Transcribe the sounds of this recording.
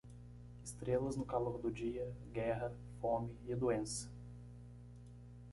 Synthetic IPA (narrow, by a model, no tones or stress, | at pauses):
ɪst̪ɾelɐznʊkaloɾd̪ʊd͡ʒiɐɡɛɦɐ | fõmɪɪd̪uẽsɐ̥